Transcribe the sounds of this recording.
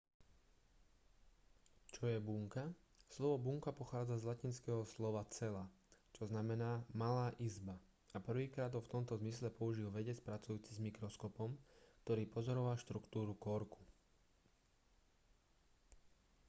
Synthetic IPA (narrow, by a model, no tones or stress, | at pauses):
t͡ʃɔjɛbuŋka | slɔʋɔbuːŋkapɔxaːd͡zazlacinskɛːɦɔslɔʋat͡sɛla | t͡ʃɔznamɛnaːmalaːʔizba | apr̩ʋiːkɾaːd̪ɦɔft̪ɔmt̪ɔzmislɛpɔuʒilʋɛɟɛt͡spɾat͡sujuːt͡sizmikɾɔskɔpɔmk̚t̪ɔɾiːpɔzɔɾɔʋalʃt̪ɾukt̪uːɾukɔɾku̥